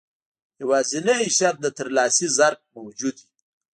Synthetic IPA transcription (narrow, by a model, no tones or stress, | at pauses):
jawazineiʃat̪̚d̪ət̪əɾlɑːsizaɾk̚mawd͡ʒud̪i